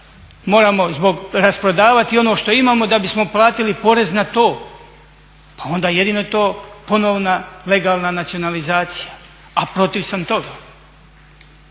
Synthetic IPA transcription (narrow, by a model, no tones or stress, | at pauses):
mo̞ːɾamo̞zbo̞ɡɾaspɾo̞d̪aːʋat̪io̞no̞ːʃt̪o̞imaːmo̞d̪abismo̞plˠaːt̪ilipo̞ɾe̞znat̪oː | pao̞nd̪aːje̞d̪inojet̪o̞ːpo̞noʋnale̞ɡaːlˠnanat̪sio̞nalizaːt̪sija | apɾo̞t̪iʋsamt̪o̞ɡa